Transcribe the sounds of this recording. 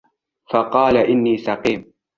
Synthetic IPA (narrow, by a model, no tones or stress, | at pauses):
fɑqɑːlaʔɪnːiːsɑqiːm